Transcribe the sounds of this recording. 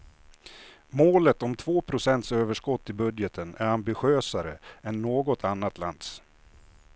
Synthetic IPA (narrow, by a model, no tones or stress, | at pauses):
moːlət̪ɔmt̪ʰvoːpʰɾʊsɛnt̪søːvəʂkɔt̪ːɪbɵd̪jət̪ʰənæɾambɪɧøːsaɾə̰ɛnːoːɡɔt̪ʰanːat̪la̰nd̪s